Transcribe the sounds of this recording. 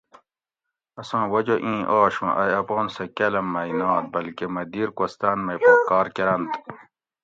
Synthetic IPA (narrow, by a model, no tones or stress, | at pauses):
ɐsãːwɐd͡ʑoʔĩːʔoːɕũʔɐ̰jɐpoːnsekelɐmːɐinãːt̪̚bɐlkemɐd̪iːɾkost̪aːnmɐjpkaːɾkeɾɐnt̪